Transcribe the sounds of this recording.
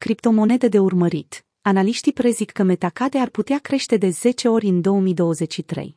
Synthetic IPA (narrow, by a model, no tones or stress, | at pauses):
kɾipt̪o̞mo̞ne̞d̪e̞d̪e̞urməɾit̪ | analiʃt̪ipɾe̞zikːəme̞t̪akad̪e̞arput̪eakɾe̞ʃt̪e̞d̪e̞z̥e̞t͡ʃe̞o̞ɾʲɨnd̪o̞wəmijd̪o̞wəze̞t͡ʃʲʃit̪ɾḛj